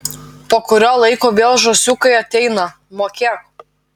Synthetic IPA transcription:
poːkʊɾʲoːlˠɐɪkoːʋʲeːlˠʒoːsʲukɐɪɐt̪ʲɛɪnɐ | moːkʲɛ

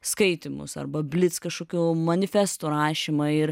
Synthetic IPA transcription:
skɐɪt̪ʲɪmʊ̰sɐ̰rbɐbʲlʲɪt̪skɐʃkoːkʲuːmɐnʲɪfʲɛst̪uːɾɑːʃʲɪmɐɪɾ

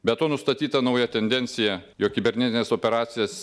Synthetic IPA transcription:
bʲɛt̪oːnʊst̪ɐt̪ʲiːt̪ɐnɐʊjɛt̪ʲɛnʲd̪ʲɛnʲt̪sʲɪjɛjoːk̚kʲɪbʲɛɾʲnʲɛt̪ʲɪnʲeːsoːpʲɛɾɑːt̪sʲɪjɛs

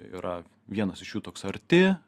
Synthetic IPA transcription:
ḭɾɐ | ʋʲiɛnɐsɪʃjuːt̪oːksɐɾʲt̪ʲɪ

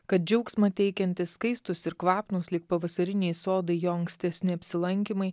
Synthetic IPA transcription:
kɐt̪̚d͡ʒʲɛʊksmɐt̪ʲɛɪkʲɛnʲt̪ʲɪsskɐɪst̪ʊsɪɾkʋɑːpnuslʲɪk̚pɐʋɐsɐɾʲɪnʲɛɪsoːd̪ɐɪjoːɐŋksʲt̪ʲɛsʲnʲɪɐpʲsʲɪlˠɐŋʲkʲimɐɪ

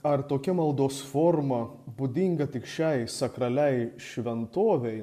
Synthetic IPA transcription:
ɐɾt̪oːkʲɪmɐlˠd̪oːsfoːɾmɐbuːd̪ʲiŋɡɐt̪ʲɪkʃʲɛɪsɐkɾɐlʲɛɪʃʲʋʲɛnt̪oːʋʲɛɪ

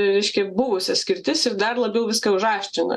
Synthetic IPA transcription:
ɾʲɛɪʃʲkʲɛbʊʋʊsʲɛsʲkʲɪɾʲt̪ʲɪsɪɾd̪ɐrlˠɐbʲjɛʊʋʲɪskɑʊʒɑːʃʲt͡ʃʲɪnɐ̰

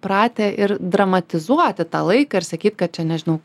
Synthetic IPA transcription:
pɾɑːt̪ʲeːʔɪɾd̪ɾɐmɐt̪ʲɪzuɔt̪ʲɪt̪ɑ̰ːlˠɐɪkɐːɪɾsɐkʲiːt̪ʲkɐt̪̚t͡ʃʲɛnʲɛʒʲɪnɐʊ

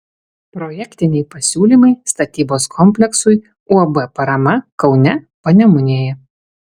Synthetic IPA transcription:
pɾɔjɛkʲt̪ʲɪnʲɛɪpɐsʲuːlʲiːˑmɐɪst̪ɐt̪ʲiːboːskʰɔmʲpʲlʲɛksʊɪ | uɐbɛpɐɾɐmɐkɒʊnʲɛ | pɐnʲɛmʊnʲeːjɛ

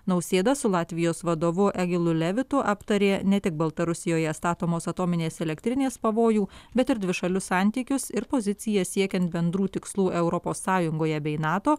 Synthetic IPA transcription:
nɐʊsʲeːd̪ɐsʊlˠɑːt̪ʲʋʲɪjoːsʋɐd̪oːʋʊʔɛɡʲɪlˠʊlʲɛʋʲɪt̪ʊʔɑpt̪ɐɾʲeːnʲɛt̪ʲɪk̚bɐlˠt̪ɐɾʊsʲɪjoːjɛst̪ɑːt̪oːmoːsɐt̪oːmʲɪnʲeːsɛlʲɛkʲt̪ʲɾʲɪnʲeːspɐʋoːjuːbʲɛt̪ɪɾd̪ʲʋʲɪʃɐlʲʊsɑˑnʲt̪ʲiːkʲʊsɪɾpoːzʲɪt̪sʲɪjɛsʲiɛkʲɛnt̪̚bʲɛnd̪ɾuːt̪ʲɪkslˠuːʔɛʊɾɔpoːsːɑːjʊŋɡoːjɛbʲɛɪnɑːt̪oː

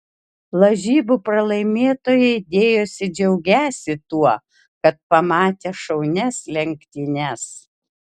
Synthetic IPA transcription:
lˠɐʒʲiːbupɾɐlˠɐɪmʲeːt̪oːjɛɪd̪ʲeːjoːsʲɪd͡ʒʲɛʊɡʲæːsʲɪt̪uɔ | kɐt̪̚pɐmɑːt̪ʲeːʃɐʊnʲɛslʲɛŋʲkt̪ʲinʲɛs

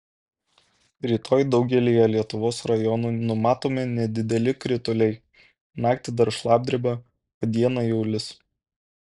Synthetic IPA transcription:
ɾʲiːt̪ʰoːjd̪ɒʊɡʲɛlʲijɛlʲiɛt̪ʊʋoːsɾɐjɔnuːnʊmɑːt̪oːmʲɛnʲɛd̪ʲɪd̪ʲɛlʲɪkɾʲɪt̪ʊlʲɛɪ | nɑːkt̪ʲɪd̪ɐɾʃlˠɑːb̚ʲd̪ʲɾʲɪbʲɐ | pɐd̪ʲiɛnɑjɛʊlʲɪs

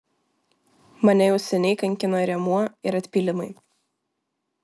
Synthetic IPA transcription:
mɐnʲɛjɛʊsʲɛnʲɛɪkɐŋʲkʲɪnoːɾʲɛmuɔɪɾɐt̪ʲpʲiːlʲɪmɐɪ

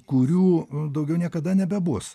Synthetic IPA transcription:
kʊɾʲuːd̪ɐʊɡʲɛʊnʲiɛkɐd̪ɐnʲɛbʲɛbʊs

